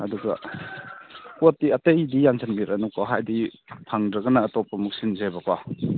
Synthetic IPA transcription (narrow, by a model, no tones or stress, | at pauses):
aduɡɐ̰ | kotːiɐtejdijansʰanɡiɾanukɔɦajdipʰaŋdɾɐɡɐnaːtɔpːɐmuk̚sinzebaka